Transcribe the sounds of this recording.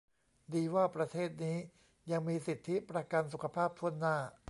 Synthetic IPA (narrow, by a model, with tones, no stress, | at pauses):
diː˧waː˥˩pɾa˧t̪ʰeː˥˩t̪̚niː˦˥ | ja˧ŋmiː˧si˨˩t̪ʰːi˦˥pɾa˧ka˧nsu˨˩kʰa˧pʰaː˥˩p̚tʰu˥˩ənːaː˥˩